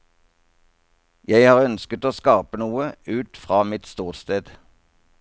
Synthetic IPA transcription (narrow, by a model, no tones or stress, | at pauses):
jæɪhɑːʁœnskət̪oːskɑːpənuːəʉːt̪fʁɑːmɪt̪st̪uːʁst̪eːd̪̥